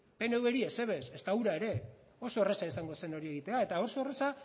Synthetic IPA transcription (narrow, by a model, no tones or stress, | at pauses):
pe̞ne̞ueɾiese̞βe̞sest̪auɾaeɾe̞ | o̞so̞eresaisaŋɡo̞se̞no̞ɾie̞ɣ̞it̪e̞ae̞t̪ao̞so̞ere̞sa